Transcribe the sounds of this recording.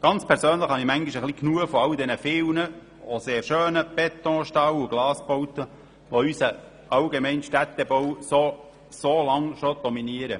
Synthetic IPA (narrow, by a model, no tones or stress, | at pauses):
ɡ̥ɑnt͡spʰɛɾsøːnləχhɑnimæŋɡiʃəχliknuəfɔɑldɛnəfɪwnə | oseːrʃøːnəb̥ɛt̪ːɔ̃ːʃtɑwuɡ̥lɑːspowt̪ə | ʋoysə | ʔɑwɡemɛɪnʃtæt̪ːɛbɔwso | solɑŋʃod̥̪ɔminiəɾə